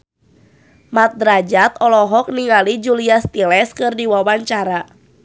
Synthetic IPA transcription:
mat̪̚d̪ɾad͡ʒat̪ɔlɔɦɔk̚niŋalid͡ʒuliast̪ilɛskɨrdiwawaɲt͡ʃaɾa

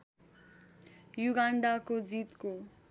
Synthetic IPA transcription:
juɡaɳɖakod͡zit̪ko

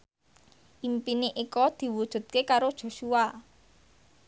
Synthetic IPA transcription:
ʔimpineʔikɔd̪̥i̤wud̥ʒ̥ṳt̪̚kekaɾod̥ʒ̥o̤ʃua

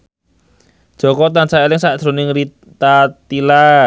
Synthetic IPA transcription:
d̥ʒ̥ɔ̤kɔt̪ansaelɪŋsad̪̥ɾo̤nɪŋɾi | t̪at̪ila

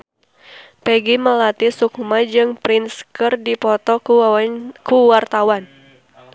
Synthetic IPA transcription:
pɛɡiməlat̪isukmad͡ʒɨŋpɾinskərdipɔt̪ɔ | kuwart̪awan

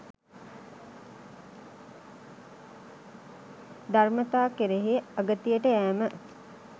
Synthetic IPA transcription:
d̪armət̪aːkeɾeɦeaɡət̪ijəʈəæːmə

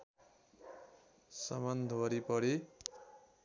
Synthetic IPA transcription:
sʌmʌnd̪ʱwʌɾipʌɾi

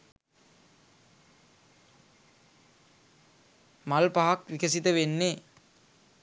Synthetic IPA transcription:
malpaɦakʋikəs̬it̪əʋenːe

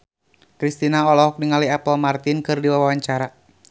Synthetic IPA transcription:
kɾist̪inaɔlɔɦɔk̚niŋaliapɔlmart̪ɪnkɨrdiwawwaɲt͡ʃaɾa

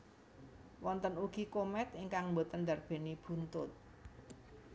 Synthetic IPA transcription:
wɔnt̪ənuɡ̥ikomɛt̪iŋkaŋmbo̤t̪ənd̪ä̤rb̥e̤nib̥ṳnt̪ʊt̪̚

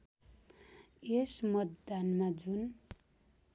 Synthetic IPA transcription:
esmʌt̪d̪anmad͡zun

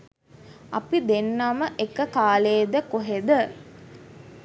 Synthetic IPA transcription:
ɐpid̪enːaməʔekəkaːleːd̪əkoɦed̪ə

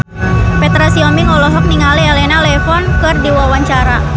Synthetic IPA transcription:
pɛt̪ɾasiɔmiŋɔlɔɦɔk̚niŋalialɛnalɛfɔnkɨrdiwawaɲt͡ʃaɾa

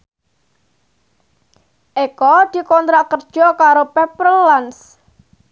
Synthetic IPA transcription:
ʔekɔd̪̥i̤kɔnt̪ɾakərd̥ʒ̥ɔ̤kaɾopɛpərəlans

